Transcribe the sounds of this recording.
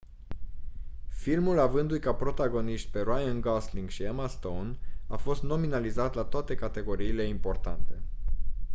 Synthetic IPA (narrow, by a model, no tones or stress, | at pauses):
filmulavɨnd̪ujkapɾo̞t̪aɡo̞niʃt̪̚pe̞ɾoajanɡasliŋɡʃiamast̪ownafo̞st̪no̞minalizat̪lat̪oat̪e̞kat̪e̞ɡo̞ɾiːle̞impo̞rt̪ant̪e̞